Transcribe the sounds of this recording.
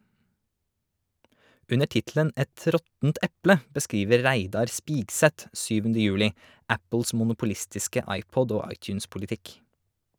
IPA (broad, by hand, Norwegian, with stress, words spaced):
ˈʉnə ˈʈɪtl̩ən ˈɛt ˈɾɔtn̩t ˈɛplə bəˈskɾiːʋəɾ ˈɾæɪdɑɾ ˈspiːɡsɛt ˈʃyːʋn̩də ˈjʉːlɪ ˈæpl̩s mʊnʊpʊˈlɪstɪskə ˈɑɪˌpɔd ˈoː ˈɑɪˌt͡ʃʉːns pʊlɪˈtɪk